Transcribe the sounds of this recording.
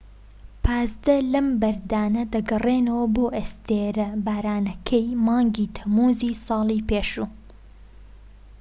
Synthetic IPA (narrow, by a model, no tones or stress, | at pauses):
pʰɑːzd̪ɐlɐmbɐɾd̪aːnɐd̪ɐɡɐreːnɐwɐboːʔest̪eːɾɐbaːɾaːnɐkʰɐjmɑːŋɡiːt̪ʰɐmuːziːsɑːlˠiːpeːʃuː